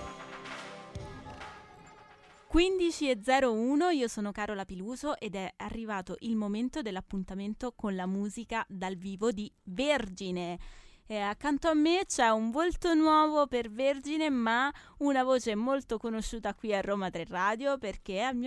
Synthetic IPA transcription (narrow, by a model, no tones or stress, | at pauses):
kwind̪it͡ʃied̪zːɛːɾouːnoiːosoːnokaːɾolapiluːzoʔed̪ɛarːivaːt̪oʔilmoment̪od̪elːapːunt̪ament̪okonlamuːzikad̪alviːvod̪iverd͡ʒine | akːant̪oamːet͡ʃɛuɱvolt̪onwɔːvoperverd͡ʒinema | unavoːt͡ʃeɛmːolt̪okonoʃːuːt̪akwiarːoːmat̪ɾerːaːd̪joperk̟ealmi